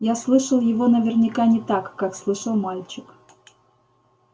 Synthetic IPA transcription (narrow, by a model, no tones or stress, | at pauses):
jaslˠɨʂəlˠjɪvo̞nəvʲɪrnʲɪkanʲɪt̪akːakslˠɨʂəlˠmalʲt͡ɕɪk